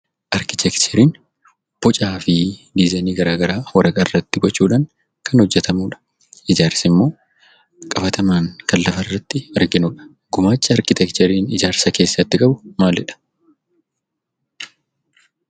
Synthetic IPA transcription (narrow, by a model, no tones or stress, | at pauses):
ʔɐɾkɪt̪ʰɛkt͡ʃɛɾiːn | b̥ɔt͡ʃʼaːfɪd̪izaːniːɡɐɾaːɡɐɾaːwɐɾɐkʼɐrːɐt̪ːɪɡɔt͡ʃːuːᶑaːŋ | kʰɐnhɔd͡ʒːɛt̪ʰɐmuːᶑɐ̥ | ɪd͡ʒaːɾsɪmːo̞ː | kʼɐbɐt̪ɐmaːŋkɐlːɐfɐrːɐt̪ːɪɐɾɡɪnuːᶑɐ̥ | ɡʊmaːt͡ʃːɐɐɾkɪt̪ɛkt͡ʃɛɾiːnɪd͡ʒaːɾsɐke̞ːsːɐt̪ːɪkʼɐbʊ̥maːlːɛᶑɐ̥